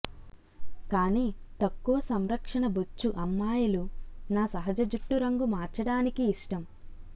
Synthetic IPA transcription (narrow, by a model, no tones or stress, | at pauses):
kaːniːt̪ɐkːuʋɐsɐmɾɐkʂɐɳɐbut͡ʃːuʔɐmːaːjɐlunaːsɐɦɐd͡ʒɐd͡ʒuʈːuɾɐŋɡumaːɾt͡ʃɐɽaːnikiːʂʈɐm